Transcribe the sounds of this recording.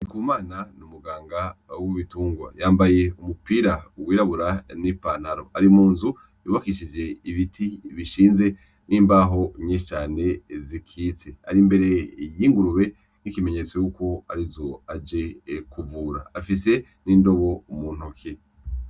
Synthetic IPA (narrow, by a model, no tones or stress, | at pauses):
ikumaːnanumuɡaːŋɡawiβituːŋɡwa̰jaːmbaje̞umupiɾawiːɾaβuɾanipan̥aɾo̞aɾimuːnzu | juːβakiʃid͡ʒe̞iβitʰiβiʃiːnze̞ | niːmbaɦo̞ɲɲet͡ʃaːne̞zikʰit͡se̞a̰ɾimbe̞ɾe̞jiːŋɡuɾuβe̞ | nikime̞ɲe̞t͡so̞juko̞a̰ɾizoad͡ʒe̞kuvuːɾa̰ːfise̞ | nindo̞βo̞muːn̥huke